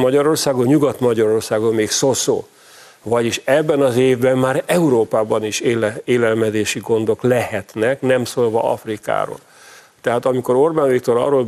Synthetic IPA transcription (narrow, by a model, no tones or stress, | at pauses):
mɒɟɒɾo̞rsaːɡo̞nɲuɡɒt̪mɒɟɒɾo̞rsaːɡo̞nmeːkso̞so̰ː | vɒɟiʃɛbːɛnɒzeːvbɛmmaːɾɛuɾoːpaːbɒniʃeːleːlɛlmɛd̪eːʃiɡo̞nd̪o̞klɛhɛt̪nɛknɛmsoːlvɒ̰ʔɒ̰frika̰ːɾo̰ːl | t̪ɛɦaːt̪ɒmiko̞ɾo̞rbaːnvik̚t̪o̞ɾɒ̰roːl